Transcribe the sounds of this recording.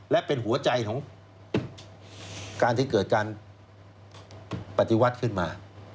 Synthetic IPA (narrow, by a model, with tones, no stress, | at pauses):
lɛ˦˥ʔpe˧nɦu˩˦ɐt͡ɕa˧jk̪ʰɔː˩˦ŋ | kaː˧nt̪ʰiː˥˩kɤː˨˩t̪̚kaː˧n | pa˨˧t̪i˧wa˦˥t̪̚kʰɯ˥˩nmaː˧